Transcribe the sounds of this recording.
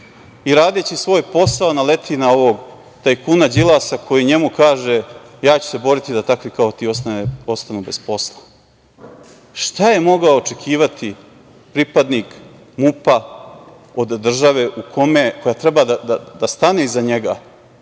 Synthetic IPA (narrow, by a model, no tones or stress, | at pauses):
iɾaːd̪e̞t͡ɕisʋo̞ːjpo̞saonale̞t̪ʰinao̞ʋoɡ | t̪ajkunad͡ʑilˠasakʰo̞jiɲe̞mukaːʒe | jaːt͡ɕu̥se̞bo̞ɾit̪id̪at̪akʋikao̞t̪iːost̪aneo̞st̪anube̞spo̞slˠa | ʃt̪aje̞mo̞ɡaoːt͡ʂe̞kʰiːʋat̪ʰi | pɾipad̪nik | mupa | o̞d̪ːr̩ʒaʋe̞ʔukʰo̞meko̞jat̪ɾebad̪ad̪ad̪ast̪aneizaɲeɡa